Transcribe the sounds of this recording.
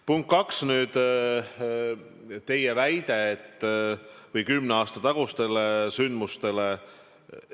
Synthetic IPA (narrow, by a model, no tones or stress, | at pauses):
puŋkːɑksnyːd̪̥ | t̪e̞jevæjd̪̥e̞ːt̪ːˑ | vɤjkymneɑːst̪ɑt̪ɑɡ̥ust̪e̞lesynd̪must̪e̞le